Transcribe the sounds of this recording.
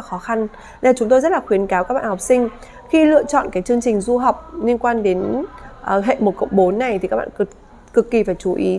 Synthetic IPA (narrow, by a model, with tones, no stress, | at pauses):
la˨˩xɔ˨˦xa˧n | ɗe˧˩t͡ɕʊ˨˦ŋ͡mt̪o˧jzə˦˥t̚laː˨˩xwi˨˦ənkaː˨˦wkaː˦k̚ɓa̰ː˧˨hk͡p̚sï˧ŋ̟ | xi˧lɨ̰˧˨ət͡ɕɔ̰˧˨nkaː˨˦jt͡ɕɨ˧əŋt͡ɕï˨˩ŋ̟zu˧ɦə˨˩wk͡p̚li˧ənkwaː˧nɗe˨˦nʔɦḛ˧˨mo˨˩t̚kə̰˧˨wŋ͡mɓo˨˦nːa˨˩jt̪ʰi˨ka˦˥k̚ɓa̰ː˧˨˩ | kɨ˨˩kːi˨˩faː˧˩jt͡ɕu˨˦ʔi˨˦